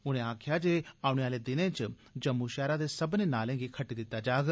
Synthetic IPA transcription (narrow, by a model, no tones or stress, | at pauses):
ʊn̤ẽaːkʰjad͡ʒeaːuɳ̃jaːled̪ɪnẽt͡ʃ | d͡ʒɐmːuʃaːɾad̪esɐbnenaːlẽːŋɡikʰɐʈid̪ɪt̪ad͡ʒaːɡ